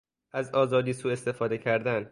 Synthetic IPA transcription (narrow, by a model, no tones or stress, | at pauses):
ʔæzɒːzɒːd̪iːsuːe̞st̪e̞fɒːd̪e̞cʰæɾd̪æn